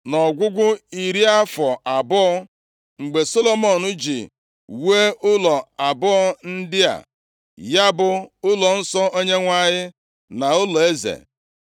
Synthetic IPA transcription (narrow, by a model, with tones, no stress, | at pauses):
nɔ˨ɡʷʊ˦ɡʷʊ˦i˨ɾi˦a˦fɔ˨ʔa˨bʊ˦ɔ˦ | ŋ͡m̩˨ɡ͡be˨so˦lo˨mɔ˨nʊ˦d͡ʒḭ˨ | we˦ʊ˦lɔ˨a˨bʊ˦ɔ˦n̩˦dɪ˦a̰˨ | ja˦bʊ˦ʊ˦lɔ˨n̩˦sɔ˦ʔo˦ɲe˦ŋʷa˦ɲɪ˦ | na˨ʊ˦lɔ˨e˦zḛ˨